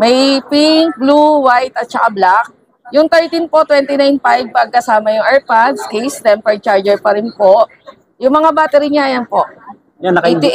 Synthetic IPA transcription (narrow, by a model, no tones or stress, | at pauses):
mɐjpɪŋk̚bluwajt̪ɐt̪̚t͡ʃɐkablak̚ | jʊŋt̪ɛɹt̪inpot̪wɛnt̪ɪnajnpajv̚pɐɡ̚kɐsaːmɐjʊŋʔɛɹpad̪skɛjsd̪ɛmpɛɹ̚t͡ʃaɹd͡ʒɛɹpɐɾɪnpoʔ | jʊŋmɐŋabaːt̪ɛɾɪnɲaʔɐjanpoʔ | ɐkd̪ɪ